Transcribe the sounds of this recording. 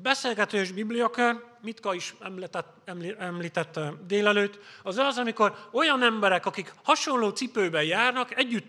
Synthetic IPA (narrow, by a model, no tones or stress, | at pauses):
bɛseːlɡɛt̪øːʒbiblijɒkørmit̪kɒiʃɛmlɛt̪ːɛt | ɛmlɛmliːt̪ɛt̪ːɛd̪eːlɛløːt̪ːɒzɒzɒmiko̞ɾo̞jɒnɛmbɛɾɛkɒkikhɒʃo̞nloːt̪sipøːbɛjaːrnɒkɛɟːyt̪ː